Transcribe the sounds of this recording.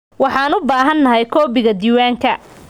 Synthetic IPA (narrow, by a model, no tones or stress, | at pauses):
wɑħɑːnʊbaːɦɐnːɐɦɛjkʰɔːbɪɣɐd̪iːwaːŋkʰɐ